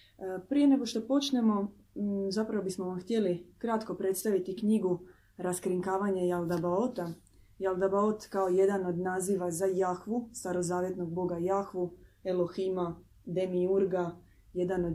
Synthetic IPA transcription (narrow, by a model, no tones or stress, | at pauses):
pɾije̞ne̞ɡo̞ʃt̪o̞po̞t͡ʃne̞mo̞ | zapɾaʋobismoʋamxt̪ʲje̞likɾat̪ko̞pɾe̞t̪st̪aʋit̪ikɲiɡu | ɾaskɾiŋkaːʋaɲejalˠd̪abaot̪a | jalˠd̪abaot̪kao̞je̞d̪ano̞d̪naːziːʋazajaxʋust̪aɾo̞zaːʋje̞t̪no̞ɡ̚bo̞ɡajaxʋuelˠo̞xima | d̪emiuɾɡa | je̞d̪anod̪